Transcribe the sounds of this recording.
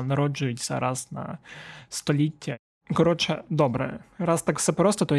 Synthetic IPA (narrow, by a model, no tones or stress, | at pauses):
nɐɾɔd͡ʒʊjʊtʲt͡sʲɐ̰ɾʔɑznɐ̰st̪ɔlʲitʲʰːɐ | kɔɾɔt͡ʃɛd̪ɔbɾɛ̰ɾɑst̪akfsɛpɾɔst̪ɔt̪ɔ